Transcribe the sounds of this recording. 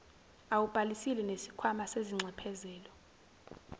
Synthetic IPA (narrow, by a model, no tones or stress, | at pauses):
awub̥ʼʱalisilɛnesi̥kʰwamaseziŋ͡ǀʱɛpʰɛzɛːlɔ